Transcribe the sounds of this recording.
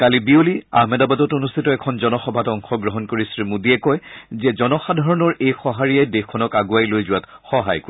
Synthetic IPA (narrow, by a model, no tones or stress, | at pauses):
kalibiolia̰ɦmɛdabadɔtonustʰitɔɛkʰɔnzɔnɔxɔbʱatɔŋxɔɡɹɔɦɔnkoɹisɹimudiɛkɔjzɛzɔnɔxadʱaɹɔnɔɹejxɔɦaɹiɛjdekʰːɔnɔkaɡuajlojzʊwat | xɔɦa̰jko